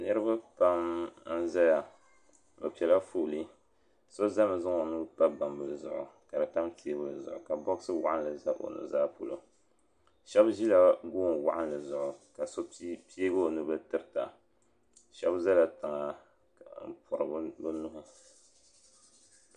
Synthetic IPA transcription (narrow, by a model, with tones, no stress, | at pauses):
nɨ˦ɾɨ˦ba˦pa˦mn̩˦za˦ja˨ | bɨ˨pɛ˨la˦fuː˦˨li˦ | so˦za˦mɨ˨zɨ˦ŋo˨nɨ˦pa˦ba˨mbɨ˨lɨ˨zʊ˨ʔʊ̰˨ka˨dɨ˨ta˦mpi˨˦e˦bɨ˦lɨ˨zʊ̰˨ʔʊ˨ka˨bɔ˦ɣsɨ˦wa̰˦ʔa˦n˨lɨ˨za˦ʔo̰˨nɨ̰˨zaː˦pu˨lo˨ | ʃɛ˦bʒi˦la˨ɡuː˦nwa̰˦ʔa˦nlɨ˨zʊ˨ʔʊ˨ka˨so˦pi˦e˦bo˦˨nɨ˦bɨ˦tɨ˦ɾɨ˦˨ta˨ | ʃɛ˦bza˦la˨tɨ˨ŋa˨ | m̩˨pʰʊ˨ɾɨ˨bbɨ˦nʊ˦ɦʊ˦